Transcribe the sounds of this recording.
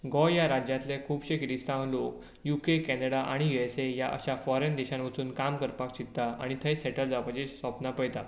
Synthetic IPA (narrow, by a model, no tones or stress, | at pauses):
ɡɔjaɾad͡ʑjãt̪lẽkʰuːbɕekɾist̪ãʋlok | jukekɛnəɽaʔaɽ̃ijuesejaʔə̰ɕafɔɾend̪ɛɕãnʋət͡suːnkamkəɾpakt͡ɕit̪aa̰ɽ̃it̪ʰəjseʈəld͡zapat͡ɕesʋapnapəjt̪a